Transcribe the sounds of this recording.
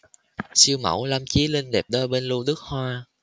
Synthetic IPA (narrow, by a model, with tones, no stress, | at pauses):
si˧əwmə̰˧˩wla˧mt͡ɕi˨˦li˧nɗɛ˨˩p̚ɗəː˧jɓe˧nlu˧ɗɨ˦˥ək̚hwaː˧